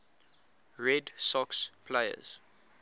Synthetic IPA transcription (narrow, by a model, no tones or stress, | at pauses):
ɹɛdsɔkspʰlejə̰z̥